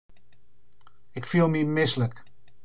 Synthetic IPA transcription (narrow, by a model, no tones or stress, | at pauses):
ɪkfilˠmimɪslək